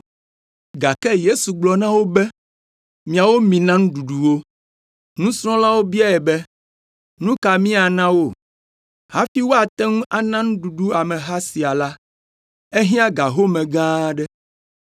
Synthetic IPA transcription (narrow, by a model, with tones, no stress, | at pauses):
ɡa˨kɛ˦je˦su˨ɡ͡blɔ˨nã˦wo˦bɛ˦ | mĩ˨a˨wo˦mĩ˨nã˦ŋũ˦ɖu˨ɖu˨wo˦ | nũ˦sɾ̃ɔ̃˦la˦wo˦bi˦a˦ɛ˨bɛ˦ | nũ˦ka˨mĩ˦a˨nã˦wo˦˨ | ha˦fi˦wo˦a˨t̪ɛ˦ŋũ˦ʔa˨nã˦ŋ̩̃˦ɖu˨ɖu˦a˨mɛ̃˨ɦa˦si˨a˨la˦ | e˦ɦĩ˦a˦ɡa˨ɦo˦mɛ̃˨ɡã˦ɖɛ˦